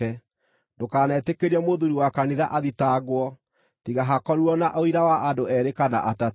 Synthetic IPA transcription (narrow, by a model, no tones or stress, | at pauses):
ɛ | ndokaːnɛːtekeɾɛmoðuɾiwakaniðaʔaðitaɣwɔ | tiɣaɦakɔɾuɔnaʔoiɾawaʔandoɛɾekana̰ʔata